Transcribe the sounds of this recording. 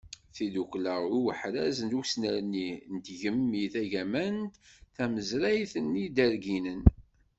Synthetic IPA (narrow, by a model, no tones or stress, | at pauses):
θidukləʁuwəħɾæzənd̪usnəɾnint̪ʝəmːiθæʝæmænt̪θæməzɾæjθənːid̪æɾɡinən